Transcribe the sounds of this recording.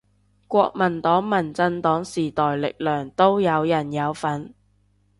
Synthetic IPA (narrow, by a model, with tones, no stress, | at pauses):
kʷɔː˧k̚mɐ˨˩nt̪ɔː˨˥ŋmɐ˨˩nt͡sɐ˧nt̪ɔː˨˥ŋsiː˨˩t̪ɔː˨jlɪ̰˨k̚lœː˨˩ŋt̪o˥wjɐ˨˧wjɐ˨˩njɐ˨˧wfɐ˨˥n